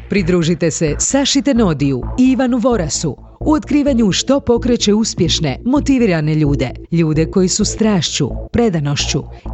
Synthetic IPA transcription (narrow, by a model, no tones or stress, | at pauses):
pɾid̪ɾuːʒit̪e̞sesaʃit̪e̞no̞d̪ijuiʋanuʋo̞ɾasu | uot̪kɾiːʋaɲuʃt̪o̞po̞kɾe̞t͡ɕe̞uspje̞ʃne̞mo̞t̪iʋiɾane̞ʎuːd̪e̞ʎuːd̪e̞ko̞jisust̪ɾaːʃt͡ɕṵpɾe̞d̪ano̞ʃt͡ɕu